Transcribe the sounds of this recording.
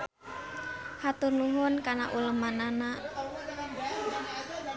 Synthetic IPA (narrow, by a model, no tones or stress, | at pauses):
hat̪unluɦʊnkanaʔuləmanana